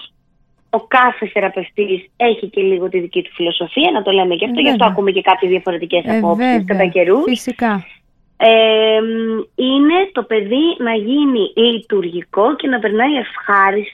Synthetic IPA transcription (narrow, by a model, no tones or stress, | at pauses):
o̞kɐθesθe̞ɾɐpe̞ft̪ise̞çice̞liɣo̞t̪iðicit̪u̥filo̞so̞fiɐnɐt̪o̞le̞mecɐft̪o̞ʝɐt̪oɐkumece̞kɐpçezðiɐfo̞ɾe̞t̪ice̞sɐpo̞psisskɐt̪ɐce̞ɾussk | e | ine̞t̪o̞pe̞ðinɐʝinilit̪uɾʝiko̞ce̞nɐpe̞ɾnɐie̞fxɐɾist̪